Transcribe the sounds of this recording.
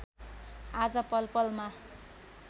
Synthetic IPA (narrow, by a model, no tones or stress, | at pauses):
ad͡zʌpʌlpʌlma